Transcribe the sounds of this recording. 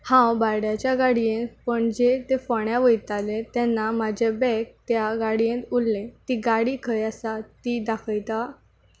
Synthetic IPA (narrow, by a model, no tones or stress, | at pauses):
hãwbajɽjat͡ɕjaɡaɽiẽnt̪pəɳd͡ʑet̪efɔɳjaʋəjt̪alẽt̪jɛnːamad͡ʑʱebɛk̚t̪jaɡaɽiẽt̪ulːet̪iɡaɽiːkʰəjasat̪id̪akʰəjt̪a